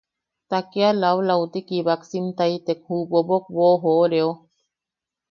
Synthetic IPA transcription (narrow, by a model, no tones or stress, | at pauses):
t̪akealawlawt̪ikiβaksimt̪ajt̪ekhubobok̚βoɦoɾeo